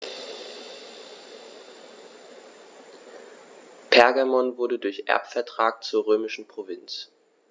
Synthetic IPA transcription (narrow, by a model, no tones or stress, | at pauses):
pʰɛɐɡamɔnvʊɐɾədʊɐçʔɛ̰ɐpfɛɐtʁ̥aːk̚t͡suːɐʁøːmɪʃn̩pʁ̥ovɪnt͡s